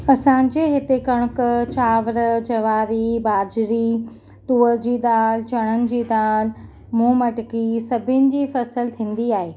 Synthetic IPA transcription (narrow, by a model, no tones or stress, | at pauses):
ɐsãːɲ̆d͡ʑeɦɪt̪ekɐɽ̃ʊkt͡ɕaːʋəɾd͡ʑɐʋaːɾibaːd͡ʑɾi | t̪uːəɾd͡ʑiːd̪aːlt͡ɕɐɽ̃ənɪ̆d͡ʑiːd̪aːl | mũːmɐʈkisɐbʱɪnɪ̆d͡ʑiːfɐsəlt̪ʰĩːn̆d̪iaːɦeː